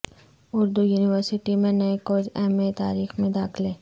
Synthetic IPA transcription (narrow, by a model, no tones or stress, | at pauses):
ʊɾd̪ujuːnɪʋəɾsɪʈimẽnɐekoːd͡ʒɛmet̪a̰ːɾiːxmẽd̪aːkʰlẽː